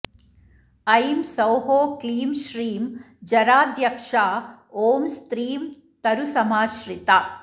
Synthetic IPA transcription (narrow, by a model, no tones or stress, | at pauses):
ɐjmsɐwɦoːkliːmʃɾiːm | d͡ʒɐɾaːd̪jɐkʂaːoːmst̪ɾiːm | t̪ɐɾusɐmaːʃɾit̪aː